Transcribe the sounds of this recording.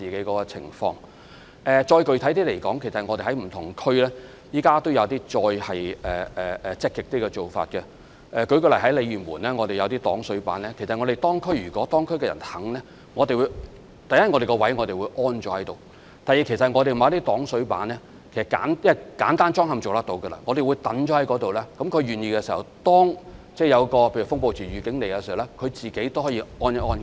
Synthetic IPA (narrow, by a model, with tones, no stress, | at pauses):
t͡siː˨ke˨˥jkɔː˨˥kɔ˧t͡sʰɪ̰˨˩ŋfɔ̰ː˧ŋ | ʔɛː˨t͡ʃɔː˧jkɵ˨ɥt̪ʰɐ˨˥jt̪iː˥le˨˩jkɔː˨˥ŋkʰe˨˩sɐ˨t̚ŋɔː˨˧t̪e˨jhɐ˨˥jm̩˨˩t̪ʰʊ˨˩ŋkʰɵ˥ɥlɛː˥ | jiː˨˥kaː˥t̪o˥wjɐ˨˧wt̪iː˥t͡ʃɔː˧jhɐ˨jɛː˨ɛː˨ɛ˨t͡sɪ˥kːɪ˨k̚t̪iː˥kɛː˧t͡ʃo˨˩wfa̰ː˧t̚kɛ˧ | ʔɛː˨kɵ˨˥ɥkɵ˧lɐ˨˩ɦɐ˨˥jle˨˧jyː˨˩nmuː˨˩nlɛː˥ŋɔː˨˧t̪e˨jɐ˨˧wt̪iː˥t̪ɔː˨˥ŋsɵ˨˥ɥpa̰ː˨˥nlɛː˥kʰsɐ˨t̚ŋɔː˨˧te˨˩t̪ɔː˥ŋkʰɵ˥ɥjyː˨˩kɔː˨˥t̪ɔː˥ŋkʰɵ˥ɥkɛː˧jɐ̰˨˩nhɐ˨˥ŋlɛː˥ | ŋɔː˨˧te˨jwu˨˧ | t̪ɐ˨jɐ˥t̚ŋɔ˨˧ɾe˨kɔ˧wɐ˨˥jŋɔː˨˧t̪e˨wuː˨˧jʔɔː˥nt͡ʃɔː˨˥hɐ˨˦jt̪o˨w | t̪aː˨ji˨˩kʰe˨˩sɐ˨t̚ŋɔː˨˧ɾ̬e˨mː˨˧˦t̪iː˥t̪ɔː˨˥ŋsɵ˨˥ɥpa̰ː˨˥nlɛː˥ | kʰe˨˩sɐ˨˩ka̰ː˨˥njɐ˥˨˩kaː˨˥nt̪aː˥nt͡ʃɔː˥ŋɦɐ˨˧mt͡so˨wt̪ɐ˥t̪o˨˧wɡə˧la̰ː˧ŋɔː˧ɾe˨wu˨˧jt̪ɐ˨˥nt͡ʃɔ˨˥hɐ˨˥jkɔː˨˥t̪o˨wlɛː˥kɐ˨˥mkʰɵ˨˧ɥɥyː˨˩njiː˧kɛ˧siː˨˩hɐ̰˨˩wt̪ɔː˥ŋt͡sɛː˥˩jɐ˨˧wkɔː˧pʰe˧jy˨˩fʊ˥ŋpo˧wt͡siː˨˩ɥyː˨˧kɪ˨˥ŋle˨jkɛ˧si˨hwlɛ˥kʰɵ˨˧t͡siː˨ke˨˥jt̪o˥whɔː˨˥jiː˧ɔː˥njɐ˥ʔɔː˥nkː